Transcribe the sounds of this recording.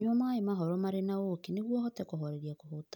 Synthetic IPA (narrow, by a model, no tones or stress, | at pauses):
ɔmaːemaɦɔɾɔmaɾenaokeneɣwɔhɔtɛkoɦɔɾeɾiakoɦot